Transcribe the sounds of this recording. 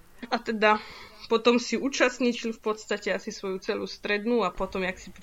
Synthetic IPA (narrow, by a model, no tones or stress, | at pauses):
at̪ɛd̪apɔt̪ɔmsiuːt͡ʃast̪ɲit͡ʃiʎʲfpɔt̪st̪acɛasisʋɔjut͡sɛluːst̪ɾɛd̪nuapɔt̪ɔmjaksip